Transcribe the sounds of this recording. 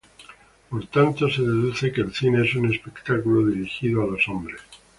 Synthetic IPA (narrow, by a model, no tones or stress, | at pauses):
po̞ɾt̪ant̪o̞se̞ðe̞ðuθe̞keːlθine̞esune̞spe̞kt̪akulo̞ðiɾixiðoalosombɾes